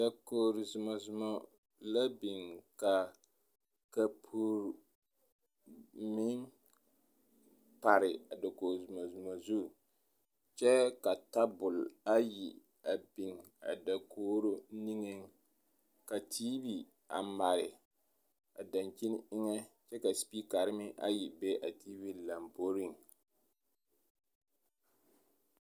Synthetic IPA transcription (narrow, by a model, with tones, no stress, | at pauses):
da˨koː˨ɾzʊ˨ma˨zʊ˨mɔ˦ | la˦bi˨ŋka˨ | ka˨pʰu˦ɾ | mɪ˦ŋ | pa˨ɾɪ˨a˨da˨koː˨ɾzʊ˨ma˨zʊ˨mɔ˨zu˦˨ | t͡ʃɛ˦ka˨ta˦bʊ˨la˦ji˨ | a˨bi˨ŋ | a̰˨da˨kʰoː˦ɾo˦ni˦ŋɛ˦ŋ | ka˨tʰiː˦bi˨ | a˨ma˨ɾɪ˨ | a˨da˨ŋt͡ʃi˦n˦ɪ˦ŋɛ˦t͡ʃɛ˦ka˨spi˦ka˨ɾɪ˦mɪ˦ʔa̰˦ji˨bɛ˦ʔa˨tiː˦bi˦la˨mbo˦ɾi˦˨ŋ